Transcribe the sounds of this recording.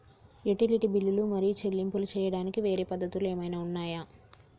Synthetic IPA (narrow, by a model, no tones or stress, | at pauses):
juʈiliʈibilːulumɐɾijut͡ʃe̞lːimpulut͡ʃɛːjɐɽaːnikiʋe̞ːɾeːpɐd̪ːɐt̪uleːmɐjnaːunːaːjaː